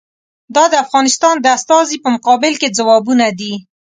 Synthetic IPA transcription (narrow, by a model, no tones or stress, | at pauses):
d̪ɑd̪əafɣɑnɪst̪ɑnd̪əast̪ɑzipəmʊqɑbɪlked͡zawɑbunad̪i